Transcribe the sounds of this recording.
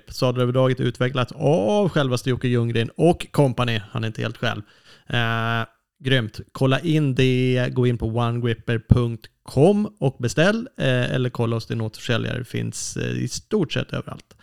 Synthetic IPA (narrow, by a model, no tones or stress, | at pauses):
pːsɑːd̪aɾøːvəɖɑːɡət̪ʉ̟ːt̪vɛklat̪savɧɛlvast̪ɪjuːkəjɵŋɾɪnɔkʰːɔmpanɪhanɛɾɪnt̪əhḛːlt̪ɧɛ̰lv | ɡɾʏmt̪kʰɔlːaʔɪnd̪ɛɡoːɪnpʰɔwanɡɾɪpːəɾpʰɵŋk̚t̪kʰɔmːɔk̚bɛst̪ɛlːɛ̰lːəɾkʰɔlːaɔsd̪ɛnot̪fœ̥ʂɛlja̰ɾə̰fɪ̰nsɪ̰st̪uːʈʂɛ̰t̪ːø̰ːvəɾa̰lt̪